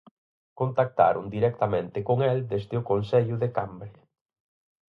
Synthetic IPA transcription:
kont̪ak̚t̪a̰ɾʊ̰nd̪iɾɛk̚t̪amẽnt̪ɪkoŋɛld̪ezd̪ɪʊkonsɛʎʊðekambɾe

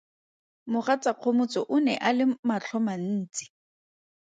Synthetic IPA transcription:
mʊχat͡saq͡χʰomʊt͡sɔʔʊnɛʔalɪmat͡ɬʰɔman̩ːt͡si̥

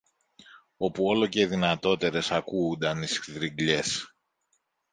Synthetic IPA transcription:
o̞puo̞lo̞ce̞ðinɐt̪o̞t̪e̞ɾe̞sɐkuːnd̪ɐnisðɾiŋɡʎe̞s

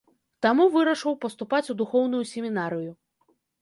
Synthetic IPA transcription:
t̪amuvɨɾɐʂɔwpɐst̪upat͡sʲud̪uxɔwn̪ujusʲemʲinaɾɨju

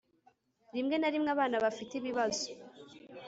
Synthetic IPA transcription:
ɾimŋe̞naɾimŋaβaːnaβafitiβiβazo

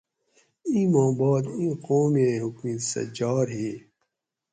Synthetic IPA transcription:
ĩːmõːbɑːd̪ĩːqoːmeɦʊkmĩsɐ̰d͡ʑɑːɾɦi

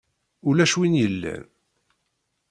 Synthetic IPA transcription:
ʊlæʃwinjəlːæ̰n

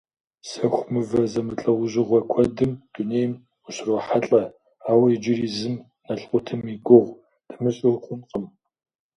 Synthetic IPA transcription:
sɐxʷmɨvɐzɐmɨɬʼɐwʊʑɪʁʷɐkʷʰɔdɨmd̥unejm | ʊɕroħaɬʼɐ | aːwɐid͡ʒɪriːzɨm | nɐɬʼqʷʼʊtʰɨmiɡʷʊʁʷ | d̥ɐmɨɕʼɪrχʷʼʊnqʼəm

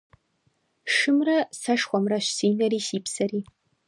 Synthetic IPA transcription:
ʂɨmrɐsɐʂχʷɔmrɐɕsiːnɐɾiːsiːpsɐɾiː

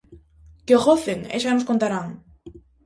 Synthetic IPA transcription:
keoɣoθeŋḛʃanos̬kont̪aɾaŋ

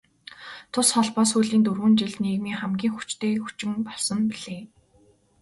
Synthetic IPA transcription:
t̪ʰʊsχɔɮpɔːs̬xuːɮiːnt̪urɣuːnt͡ɕiɮniːɣmiːχæmɡʲiːŋxu̥t͡ɕt̪eːxut͡ɕɪ̆mpɔɮsɞ̆mpiɮ̥eː

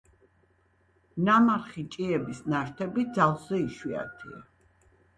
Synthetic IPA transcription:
namaɾχit͡ʃʼiɛbisnaʃt̪ʰɛbid̪zalˠszɛiʃwia̰t̪ʰḭa̰

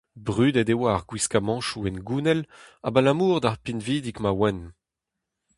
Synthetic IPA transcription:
bʁyːd̪ɛdewaːʁɡwiskamɑ̃ʃuɛnɡuːnɛla̰balamuːʁd̪aʁpinviːd̪ikmawɛn

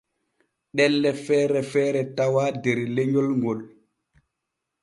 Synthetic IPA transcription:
ɗɛlːɛfɛːɾɛfɛːɾɛtawaːdɛɾleɲɔlŋɡɔl

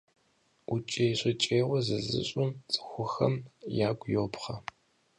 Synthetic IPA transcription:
ut͡ʃʼejɕʷʼɐt͡ʃʼeːwɔzɨzɨ̰ɕʼʊmt͡sʼɨ̥xʷʊxɐmjaːɡʷjopχɐ

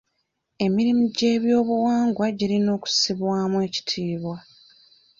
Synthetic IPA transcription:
e̞miɾimiɟe̞ːβjo̞ːβuwaːŋɡwaɟiɾino̞ːku̥siβwaːmue̞ːci̥tʰiːβwa

